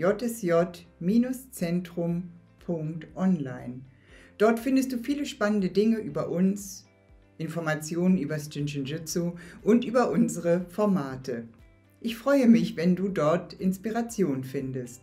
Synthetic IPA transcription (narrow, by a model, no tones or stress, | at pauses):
jɔtɛsjɔtmiːnʊst͡sɛntʁ̥ʊm | pʰʊŋktʔɔnlaɪn | d̥ɔɐtfɪndəst̚d̥uːfiːləʃpanəndədɪŋəʔyːbɐʔʊns | ʔɪnfɔɐmat͡sjoːnənʔyːbɐst͡ʃɪnt͡ʃɪnʒɪt͡soʔʊntʔyːbɐʔʊnzəʁəfɔɐmaːtʰə | ʔɪçfʁ̥ɔʏəmɪçvɛnduːdɔɐtʔɪnspiʁat͡sjoːnənfɪndəst̚